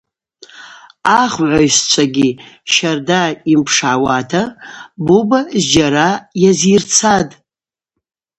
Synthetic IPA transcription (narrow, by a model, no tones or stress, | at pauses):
aχʕʷajst͡ʃʷʰaɡʲiʃardaimpʰʂawatʰabubazd͡ʒaɾajazirt͡sʰad